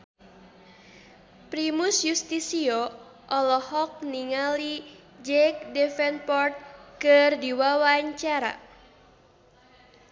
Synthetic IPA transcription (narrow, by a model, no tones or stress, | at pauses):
pɾimusjust̪isiɔ | ʔɔlɔhɔk̚niŋali | d͡ʒɛk̚dɛfɛnpɔrt̪̚kɨrdiwawaɲt͡ʃaɾa̰